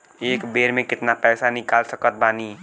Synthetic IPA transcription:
eːkbeːɾmẽkɪt̪napɛːsanɪkaːlsəkət̪̚baːni

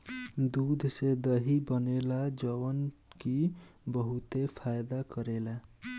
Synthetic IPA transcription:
d̪ud̪ʱsed̪ʌɦibʌnelad͡ʒʌwʌnkibʌɦut̪epʰajd̪akʌɾela

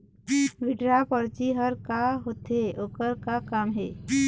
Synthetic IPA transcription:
ʋɪʈɾapɔɾt͡ʃiɦəɾkaɦot̪eʔoːkəɾkakaːmɦɛː

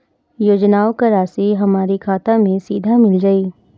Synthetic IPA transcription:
joːd͡ʒnaːokɐɾaːsiɦɐmaːɾikʰaːt̪amẽsiːd̪ʱamɪld͡ʒaːiː

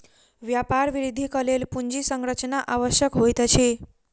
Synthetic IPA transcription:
ʋjapaɾʋiɾid̪ʱikəlelpuɲd͡ʑisəŋɡɾət͡ʃnaʔaʋəɕjəkɦojt̪ət͡ɕʰe

